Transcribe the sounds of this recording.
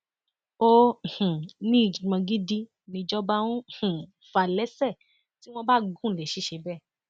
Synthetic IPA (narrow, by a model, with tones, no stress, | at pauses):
o˦˨h̩˨nĩ˦˨d͡ʒi˨mã˧ɡi˦di˦ | nĩ˧d͡ʒɔ˦ba˦wũ˦˨ | fa˨lɛ˨˦sɛ˦˨ | ti˦w̃ɔ̃˧ba˦ɡũ˦˨le˨ʃi˨˦ʃe˧bɛ˦˨